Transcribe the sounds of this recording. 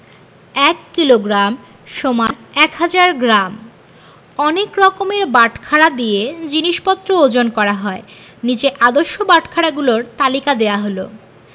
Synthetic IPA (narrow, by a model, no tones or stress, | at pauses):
ɛkːiloɡɾam | ʃomaɾɛkɦad͡ʑaɾɡɾam | ɔnekɾɔkomeɾbaʈʰkʰaɽad̪ijed͡ʑiniʃpɔt̪ːɾood͡ʑonkɔɾaɦɔe | nid͡ʑeʔad̪oʃːobaʈkʰaɽaɡuloɾt̪alikad̪eaɦolo̰